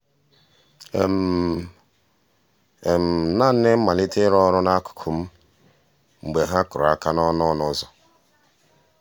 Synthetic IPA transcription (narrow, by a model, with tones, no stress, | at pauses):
m̩˨ | e˨m̩˨na˦˨n̩˦ne˦m̩˦ma˨li˦te˦ɾɔ˦ɾʊ˦na˦kʊ̥˨kʰʊ˨m̩˦ | ŋ͡m̩˨ɡ͡be˨ɦa˦kʊ˨ɾa˦ka˦nɔ˦nɔ˦nɔ˦zɔ˨